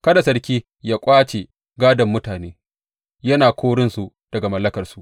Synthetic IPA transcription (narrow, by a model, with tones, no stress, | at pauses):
kɐ˦da˨sɐ˨rkʲiː˦ | jaː˦kʷʼaː˦t͡ʃe˨ | ɡaː˦dɐ˨mːʊ˦taː˨neː˦ | jɐ˦naː˨kʷʰoː˦ɽɪ˦nsu˨ | d̥ɐ˨ɡa˨mɐ˦lːɐ˦kɐ˨rsu˦ʔ